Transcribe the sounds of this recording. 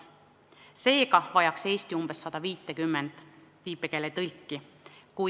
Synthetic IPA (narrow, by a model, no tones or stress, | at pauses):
se̞ːɡɑvɑjɑkse̞ːst̪iumb̥esːɑd̪̥ɑviːt̪ːˑe̞kymːend̪̥piːpˑeke̞let̪ɤlʲkːi | ku